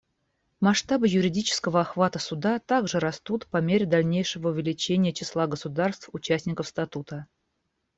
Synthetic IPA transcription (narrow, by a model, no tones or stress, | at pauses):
mɐʂt̪abɨjʊɾʲɪdʲit͡ɕɪ̥skəvəɐxvat̪əsud̪at̪aɡʐɨɾɐst̪ut̪pɐmʲeɾʲɪd̪ɐlʲnʲejʂəvəʊvʲɪlʲɪt͡ɕenʲɪjət͡ɕɪslˠaɡəsʊd̪arst̪fʊt͡ɕæsʲnʲɪkəfst̪at̪ut̪ə